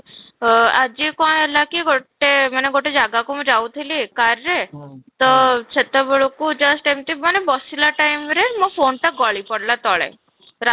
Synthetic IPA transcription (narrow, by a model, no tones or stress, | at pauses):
ad͡ʑikɔ̃ɦɛlakiɡoʈːemaneɡoʈed͡ʒaɡakumud͡ʒawt̪ʰilikaɾɾet̪ɔt͡ʃʰet̪abɔɭukud͡ʒəsʈajmt̪imanebɔsilaʈajmɾemɔfoɳʈaɡɔɭipɔɽlat̪ɔɭḛ | ɾa